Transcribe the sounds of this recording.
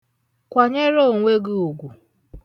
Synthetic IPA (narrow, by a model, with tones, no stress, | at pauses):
kʷa˨ɲe˦ɾo˦˨ŋʷe˦ɡʊ˦u˨ɡʷu˨